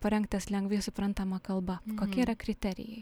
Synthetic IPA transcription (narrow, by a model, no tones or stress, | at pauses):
pɐɾʲɛŋkt̪ʲɛslʲɛŋɡʋʲiːsʊpɾɐnt̪ɐmɐkɐlˠbɐkoːkʲɛiɾɐkɾʲɪt̪ʲɛɾʲɪ̰jɛɪ